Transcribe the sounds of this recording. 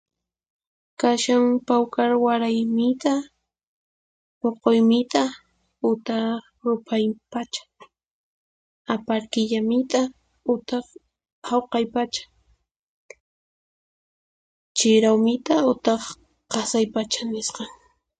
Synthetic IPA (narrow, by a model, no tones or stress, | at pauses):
kaʃaŋpawkaɾwaɾajmɪt̪a | poqojmɪt̪a | ʊt̪ɑ | ɾʊpʰajpat͡ʃḁ | apaɾkɪʎamɪt̪a | ʊt̪ɑχ | hawqɑjpat͡ʃḁ | t͡ʃɪɾawmɪt̪aʊt̪ɑχ | qɑsajpat͡ʃanɪsqɑŋ